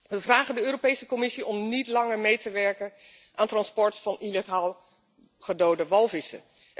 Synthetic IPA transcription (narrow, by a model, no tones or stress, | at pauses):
ʋəvraːχəndəøːropejsəkɔmɪsiʔɔmnitlɑŋəɹmejtəʋɛɹkən | ʔaːntrɑnspɔɹtfɑnileχaːlˠ | χədowdəʋɑlˠvɪsə̰